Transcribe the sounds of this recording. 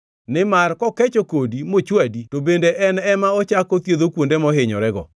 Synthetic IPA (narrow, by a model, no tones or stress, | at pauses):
nɪmarkɔkɛt͡ʃokodimot͡ʃwaditobendeʔɛnɛmaɔt͡ʃakot̪jeðokwondemɔɦɪɲɔ̰ɾɛɡɔ̰